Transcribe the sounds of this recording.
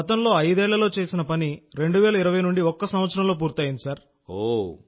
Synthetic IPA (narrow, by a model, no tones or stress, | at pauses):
ɐt̪ɐmlo̞ːɐjd̪ɛːɭːɐlo̞ːt͡ʃe̞ːsinɐpɐniɾe̞ɳɖuʋɛːlɐiɾɐʋɐjnuɳɖiɔkːɐsɐmʋɐt̪sɐɾɐmlo̞ːp̬uːɾt̪aːjind̪isaːɾ | o